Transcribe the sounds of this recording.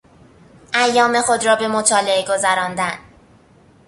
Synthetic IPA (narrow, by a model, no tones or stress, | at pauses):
ʔæjːɒːme̞xod̪ɾɒːbe̞mot̪ʰɒːleeɡo̞zæɾɒːnd̪æn